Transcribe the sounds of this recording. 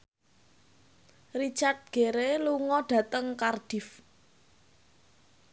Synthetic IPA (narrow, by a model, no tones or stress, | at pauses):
rit͡ʃart̪̚ɡ̥eɾeluŋɔɖ̥ä̤t̪əŋkarɖ̥if